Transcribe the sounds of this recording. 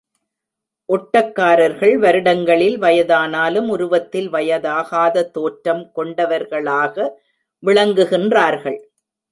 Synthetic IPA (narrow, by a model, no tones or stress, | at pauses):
ʔɔʈːɐkːaːɾɐɾɣɐɭʋɐɾɯɽɐŋɡɐɭɪlʋɐjɐðaːnaːlɯmʊɾʊʋɐt̪ːɪlʋɐjɐðaːɣaːðɐt̪ːoːʈɾɐmkɔɳɖɐʋɐɾɣɐɭaːɣɐ | ʋɪɭɐŋɡɯɣɪndraːɾɣɐɭ